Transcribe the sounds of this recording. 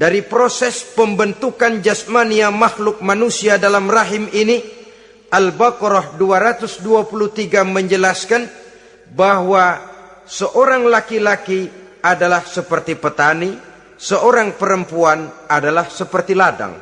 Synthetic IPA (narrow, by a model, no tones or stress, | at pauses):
daɾipɾosɛspəmbənt̪ukand͡ʒasmaniamahlʊk̚manusiadalamraɦimini | ʔalbakɾɔhduaɾat̪usduapulut̪iɡaməɲd͡ʒəlaskan | baɦwa | səʔoɾaŋlakilaki | adalahsəpərt̪ipət̪ani | səʔoɾaŋpəɾəmpuanadalahsəpərt̪ilada̰ŋ